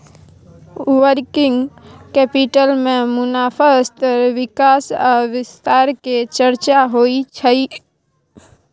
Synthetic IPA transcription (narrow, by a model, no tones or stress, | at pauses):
ʋəɾkɪ̃ŋɡkɛːpiʈəlmẽmʊnaːfʰəst̪əɾʋɪkaːsəʋɪst̪aːɾket͡ʃəɾt͡ʃaɦoːit͡ʃʰəi